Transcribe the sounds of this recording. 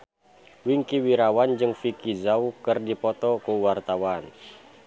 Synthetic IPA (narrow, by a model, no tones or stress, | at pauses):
wiŋkiwiɾawand͡ʒɨŋfikizaukɨrdipɔt̪ɔkuwart̪awan